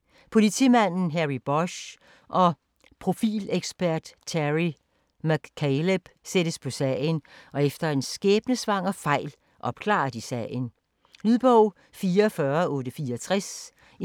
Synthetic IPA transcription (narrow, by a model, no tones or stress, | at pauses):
pʰo̝lit͡sʰimæn̰n̩ɦæʁib̥ɒɕ | ʔɒ̽ | pʰʁo̝fḭːleɡ̥sb̥æɐ̰d̥t͡sʰæʁi | mæɡ̥kʰːeleb̥sed̥əspʰɒ̽sɛ̰ɪ̰nɒ̽efd̥ɐe̝nsɡ̥eːb̥nəsʋɑ̈ŋ̰ɒ̽fɑ̈ɪ̰l | ʔɒ̽b̥kʰlɑ̰̈ɐd̥isɛ̰ɪn | lyðˠb̥ɔʊ̰ | fiːɐfɶɐɔ̽ːɾəfiːɐt͡sʰʁas